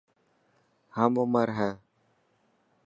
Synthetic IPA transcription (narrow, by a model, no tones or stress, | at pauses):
hamoməɾɦɛː